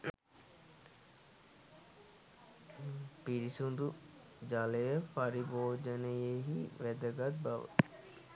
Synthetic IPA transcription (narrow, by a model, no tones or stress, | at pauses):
piɾisund̪u | d͡ʒaːlejəfaɾiboːd͡ʒənəjeɦiʋɛd̪əɡɐt̪̚bɐ̰ʋə̰